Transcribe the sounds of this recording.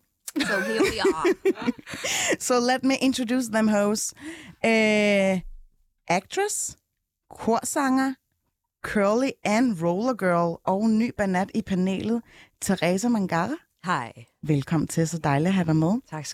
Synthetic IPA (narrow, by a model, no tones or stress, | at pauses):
sɒled̥miʔe̝nt͡sʰʁodjṵːs̬ðəmɦoʊsø | ʔæɡ̥̚t͡sʰʁəs | kʰoɐ̰sɑ̈ŋɐ | kʰɜɐliænʁoʊlɐɡ̥ɜɐlɒʊny̰ːb̥ænæd̥ipʰænḛːlð̩ˠt͡sʰeʁḛːsæmæŋɡ̥ɑʁ | haɪʋelkʰɒ̽m̰n̩t͡sʰe̝lsɒd̥ɑ̈ɪliɦæɾɑɪmeðˠt͡sʰ